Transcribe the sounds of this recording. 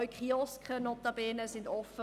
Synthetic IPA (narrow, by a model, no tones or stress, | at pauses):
ɥkχiɔskχənɔtabɛːnəsɪntɔfə